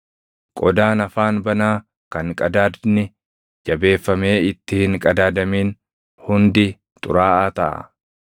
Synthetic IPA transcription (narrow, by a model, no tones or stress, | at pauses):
kʼɔd̪aːnɐfaːnbɐnaː | kɐŋkʼɐd̪aːd̪nɪ | d͡ʒɐbe̞ːfːɐme̞ːɪt̪ːɪhɪŋkʼɐd̪aːd̪ɐmiːn | hʊnd̪ɪ | t̪ʼʊ̰ɾaːʔaːt̪ɐʔɐ̰